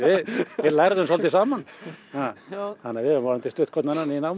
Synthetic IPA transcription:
ɪɪlaɾðʏnsɔlt̪ɪsaːmanhahanːavɪaɾʏmt̪ɪst̪ʏht̪kɔt̪nananːiinawm

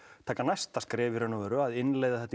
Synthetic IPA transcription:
t̪ʰaːkanajst̪askɾɛːvɪɾɛnɔvɛɾʏaðɪnlejðaθɛt̪

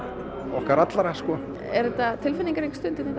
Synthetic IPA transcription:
ɔhkaɾat̪laɾaskɔː | ɛ̰ɾðɛt̪at̪ʰɪlfɪniŋkaɾiŋkst̪ʏnt̪ɪnɛt̪

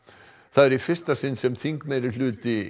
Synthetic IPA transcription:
θaðɛɾifɪr̥st̪asɪnːsɛmθiŋkmejɾɪlʏːt̪ɪ

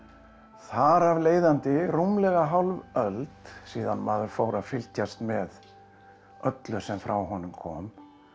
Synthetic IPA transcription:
θaɾavleːjðant̪ɪrumlɛɣaɦawlvœlt̪siːðanmaːðʏɾfoːwɾaðfɪl̥t̪jast̪mɛð | œt̪lʏ̥sɛmfɾawɦɔnːʏmkʰɔ̰ːm

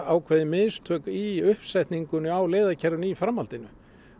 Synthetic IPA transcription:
awkʰvɛːðɪmɪːst̪ʰœːkiʏhpsɛjht̪niŋkʏnʏawleːðacʰɛɾðʏnifɾamːalt̪ɪnʏ̰

